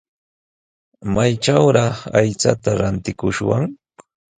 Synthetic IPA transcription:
majʈ͡ʂawɾɑχajt͡sa̰t̪aɾant̪ɪkʊʃwa̰ŋ

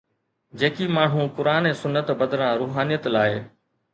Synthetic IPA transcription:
d͡ʑeːkimaːɳ̤ũpʊɾaːnẽːsʊnːət̪bəd̪ɾãːɾuːɦaːnijət̪laːɦe

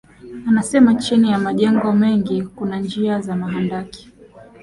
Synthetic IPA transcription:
anasɛmat͡ʃinijamaʄɛŋɡɔmɛŋɡikunand͡ʒiazamaɦandaki̥

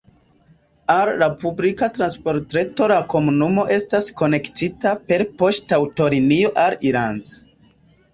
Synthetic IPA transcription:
allapublikatɾanspo̞ɾtɾe̞to̞lako̞munumo̞ʔe̞stasko̞ne̞ktitape̞ɾpo̞ʃtawto̞ɾinioʔaliɾanz

